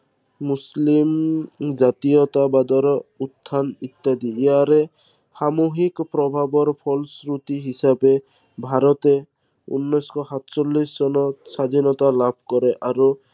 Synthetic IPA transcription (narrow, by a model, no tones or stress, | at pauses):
muslimd͡ʒat̪ijɔt̪abad̪ɔɾɔut̪ʰːanit̪ːad̪ieɦaɾe | hamoɦikpɾɔbʱabɔɾpʰɔlsɾut̪iɦisabe | bʱaɾɔt̪e | ṵnːɔskɔɦat̪t͡ʃɔlːisd͡ʒɔnɔsad̪ʱinɔt̪alabʱkɔɾeʔaɾu